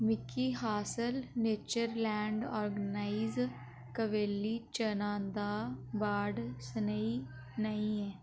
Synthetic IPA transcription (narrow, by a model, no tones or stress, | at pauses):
mɪkiːɦaːsəlneːt͡ʃəɾlɛːɳɖɔːɾɡənaːiz | kəʋeːlːiːt͡ʃənãːd̪aːbaːɖsənəiː | nəĩːɛː